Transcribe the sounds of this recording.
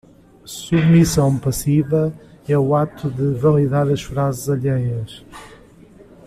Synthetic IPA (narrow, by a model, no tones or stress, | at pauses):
suβmisɐ̃w̃pɐsivɐɛuat̪uðɨvɐlˠiðaɾɐʃfɾazɨzɐʎejɐʃ